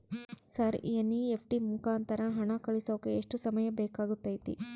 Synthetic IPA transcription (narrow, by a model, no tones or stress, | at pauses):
sɐɾḭɐnːiepʰʈimukaːnt̪ɐɾɐɦɐɳɐkɐɭisoːkeeʂʈusɐmɐjɐbɛːkaːɡut̪ːɐːjt̪ḭ